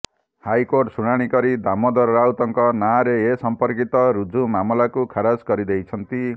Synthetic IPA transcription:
hajkorʈsuɽ̃aɽ̃ikʌɾid̪amʌd̪ʌrːawt̪ʌŋkʌnaɾeesʌmpʌrkit̪ʌɾud͡zumamlakukʰaɾad͡zɡʌɾid̪ejt͡sʰʌnt̪i

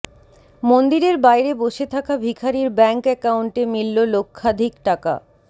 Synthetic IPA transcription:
mond̪iɾeɾbajɾeboʃet̪ʰakabʱikʰaɾiɾbɛŋkɛkawɳʈemilːolokʰːad̪ʱikʈaka̰

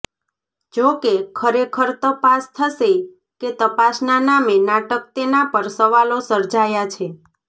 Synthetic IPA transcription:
d͡ʒokekʰəɾekʰəɾt̪əpast̪ʰəse | ket̪əpasnanamenaʈək̚t̪enapəɾsəʋalosəɾd͡ʒajat͡ʃʰe

